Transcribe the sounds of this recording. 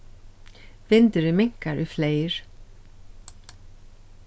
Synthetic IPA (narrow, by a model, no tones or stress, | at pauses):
vɪnt̪ʏɾɪmɪŋ̥kaɾʏfleːjɾ̥